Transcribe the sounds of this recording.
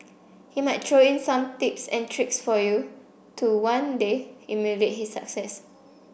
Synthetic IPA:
himaɪt̚tʰɹoĩnsãmt̪ipsɛ̰̃ntʰɹiksfɔju | tʰuwãndeimuɹet̚hisːa̰ksɛs

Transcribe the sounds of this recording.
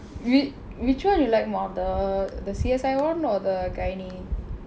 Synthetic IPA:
wi | wit͡ʃwãnjulaɪk̚mɔdəd̪əsiɛsajwɔ̃nɔdəɡajni

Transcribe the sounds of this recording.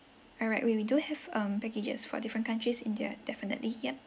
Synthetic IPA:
ɔlɹa̰ɪtwɛwiduhɛvʌ̃mpɛked͡ʒə̰sfɔ̰difɹə̃nkãntɹisĩndia̰d̥ɛfinə̰tlihiə

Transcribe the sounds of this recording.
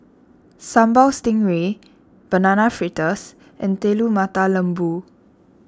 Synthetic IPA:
sãmbawstĩŋwe | b̥ənanafɹitəs | ʔɛ̃nt̪elumat̪alə̃mbu

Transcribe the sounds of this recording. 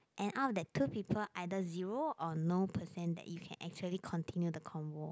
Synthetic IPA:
ʔɛ̃nʔafdɛtʰːupipʰəlʔaɪdəziɹoʔɔnopʰəsɛ̃ndɛ̰ʔjukʰɛ̰̃nʔɛ̰k̚t͡ʃuəlikʰɔ̃ntʰĩnjudəkʰɔ̃nvo

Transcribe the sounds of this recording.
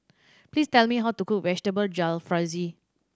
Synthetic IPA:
pliːstɛlmiɦawtukuk̚vɛd͡ʒtəbəld͡ʒalfɹazi

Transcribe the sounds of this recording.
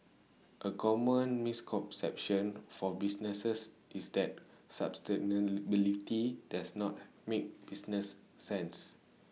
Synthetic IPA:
ʔəkʰɔmə̃nmiskʰɔ̃msɛ̰p̚ʃə̃nfɔbisnəsəs | ʔisdɛt̚sa̰pstɛnəbilitidasnɔt̚ | mek̚b̥isnəsː | ɛ̃ns

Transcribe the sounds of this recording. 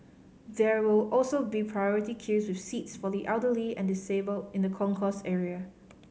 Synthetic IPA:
ðɛwɪlɔlsobipʰɹajɔɹitikʰiswɪfsitsfɔdiʔɛlˠdəliɛ̃ndɪsebəlɪ̃ndəkʰɔ̃ŋkʰɔstɛɹiə

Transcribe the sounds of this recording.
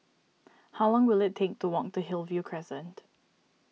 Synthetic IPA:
haʊlɔ̃ŋwɪlɪtʰek̚tʰuwɔ̃k̚təɦɪlˠvjukʰɹ̥ɛsə̃nt

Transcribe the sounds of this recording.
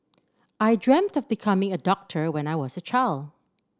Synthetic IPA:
ʔaɪdɹɛ̃m̚tɔvbikʰʌmɪ̃ŋədɔk̚tʰə˞wɛ̃naɪwɔsət͡ʃʰaɪld

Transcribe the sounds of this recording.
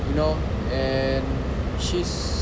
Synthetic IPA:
junoʊ | ɛ̃n | ʃis

